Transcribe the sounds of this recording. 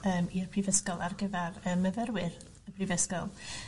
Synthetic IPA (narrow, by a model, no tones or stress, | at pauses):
əːmirpʰrivəskɔlˠarɡəvarəːməvɛɾwɪr | əpʰrivəskɔlˠ